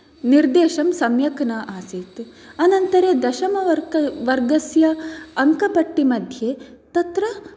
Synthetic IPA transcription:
niɾd̪eːʃɐmsɐmjɐkɐnaːʔaːsit̪uɐnɐnt̪ɐɾed̪ɐʃɐmɐɐɾʋɐɾɡɐsjɐːŋkɐpɐʈːimɐd̪ʱje | t̪ɐt̪ɾɐ

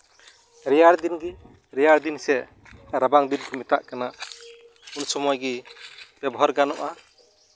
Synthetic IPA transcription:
ɾɛjaɾd̪inɡi | ɾɛjaɾd̪insɛ | ɾabaŋd̪inkʰumit̪aʔkana | unsɔmɔjɡib̥ɛbɔɦaɾɡanɔʔa

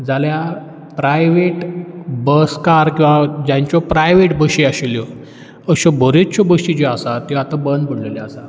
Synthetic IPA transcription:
d͡zalja | pɾajʋeʈbəskaɾkĩw̃ʋad͡ʑãɲt͡ɕjɔpɾajʋeʈbəɕiaɕiljɔ | əɕɔbʱoɾett͡ɕɔbəɕid͡ʑeasat̪ɔat̪abənd̪̚pəɽ̤leljaasa

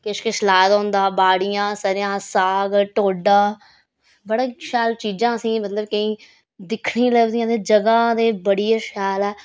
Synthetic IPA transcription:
kɪʃkɪʃlaːt̪ɔːnd̪aːbaːɽɪjãːsəɾjãːsaːɡʈoːɖaː | bəɽãːʃaːlt͡ʃiːd͡ʒãːəsĩːmət̪ləbkəĩː | d̪ɪkʰɳĩːləɡd̪ijãːd̪eːd͡ʒəɡãːd̪eːbəɽijeːʃaːlɛː

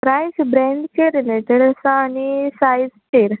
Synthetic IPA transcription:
pɾajsbɾẽɳɖkeɾilet̪əɽəsaːnisajzʈeɾ

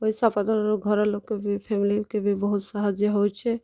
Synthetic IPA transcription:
oɦisapad̪əɾɡʱɔɾɔloɡkebʱipʰemilikebʱibəɦut̪səɦəd͡ʒjəɦot͡ʃʰɛ

